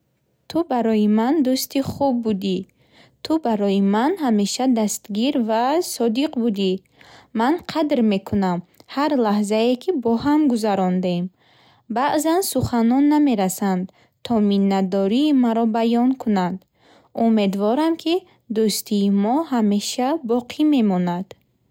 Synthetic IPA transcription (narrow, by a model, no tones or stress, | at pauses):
t̪ʰubaɾɔjimand̪ust̪ʰiχub̚ːud̪i | t̪ʰubaɾɔjimanhame̞ʃad̪ast̪ɡiɾvasɔd̪iqbud̪i | manqʰad̪ɾme̞kʰunamhaɾlahzaekʰibɔhamɡuzaɾɔnd̪em | baʔzansuχanɔnːame̞ɾasand̪ | t̪ʰɔminːad̪ɔɾiːmaɾɔbajɔnkʰunand̪ | ume̞d̪vɔɾamkʰi | d̪ust̪ʰiːmɔhame̞ʃabɔqʰime̞mɔnad̪̥